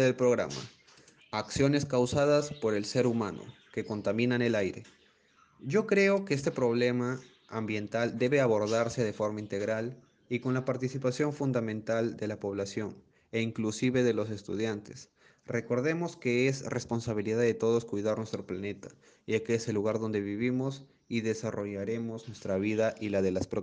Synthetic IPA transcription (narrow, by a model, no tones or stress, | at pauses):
ðelpɾo̞ɣɾa̰ma̰ | aksjo̞ne̞skawsaðaspo̞ɾe̞lse̞ɾumãno̰ | ke̞ko̞nt̪amĩnane̞lajɾe̞̰ | ɟ͡ʝo̞kɾe̞o̞keest̪e̞pɾo̞β̞le̞maː | mbje̞nt̪ald̪eβe̞aβo̞ɾðaɾse̞ð̞e̞fo̞ɾmaint̪e̞ɣɾal | iko̞nlapaɾt̪isipasjo̞ɱfund̪amẽnt̪ald̪e̞lapo̞β̞lasjo̞n | eiŋklusiβe̞ðe̞lo̞se̞st̪ṵð̞jant̪e̞s | re̞ko̞ɾðe̞mo̞ske̞esrespo̞nsaβiliðaðe̞t̪o̞ð̞oskwujðaɾnwe̞st̪ɾo̞plane̞t̪ḁ | akese̞lːuɣaɾðo̞nd̪e̞βiβimo̞s | iðe̞saro̞ʝaɾe̞mo̞znwest̪ɾaβiðaʔilaðe̞laspɾo